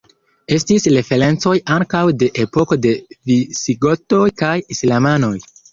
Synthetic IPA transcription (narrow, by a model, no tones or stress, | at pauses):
e̞stisɾe̞fe̞ɾe̞nt͡so̞jaŋkawde̞ʔepo̞ko̞de̞visiɡo̞to̞jkajislamano̞j